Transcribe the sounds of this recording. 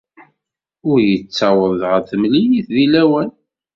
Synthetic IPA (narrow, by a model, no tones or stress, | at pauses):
ʊɾjət͡sːɑwəðʁəθəmlijiθðilæwæn